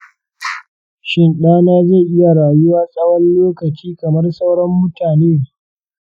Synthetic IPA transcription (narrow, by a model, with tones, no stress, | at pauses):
ʃɪ˦nɗaː˦naː˦ze˦˨ʔɪ˦ja˨ɽaː˨jʊ˦waː˦sʼɐ˦wɐ˦nloː˦kɐ˨t͡ʃiː˦kɐ˨mɐ˦rsa˦wɽɐ˦mːʊ˦taː˨neː˦